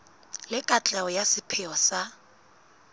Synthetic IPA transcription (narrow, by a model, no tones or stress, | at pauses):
lɪkʼat͡ɬʼaɔjasɪpʰɛɔsa